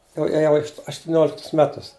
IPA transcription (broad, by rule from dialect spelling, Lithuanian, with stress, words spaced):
jɛʊ eːˈjɛʊ ɐʃtʊˈnʲoːlʲɪktʊs ˈmʲæːtʊs